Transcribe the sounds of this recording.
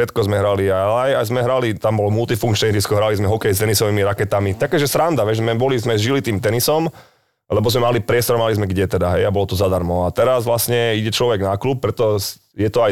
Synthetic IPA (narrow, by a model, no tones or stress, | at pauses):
ʃɛt̪kɔzmɛɦɾaliaajajzmɛɦɾalit̪ambɔlɔmult̪ifuŋkt͡ʃnɛd͡ʒiskɔɦɾalizmɛɦɔkɛjst̪ɛnisɔʋimiɾakɛt̪amit̪akɛːʒɛsɾand̪aʋɛʒzmɛbɔlizmɛzʒilit̪iːmt̪ɛnisɔm | lɛbɔzmɛmalipɾɪɛst̪ɔɾmalizmɛɡɟɛt̪ɛd̪aɦɛjabɔlɔt̪ɔzad̪aɾmɔat̪ɛɾazʋlasɲɛiɟɛt͡ʃlɔʋɛɡnakluːp̚pːɾɛt̪ɔs | jɛt̪ɔaj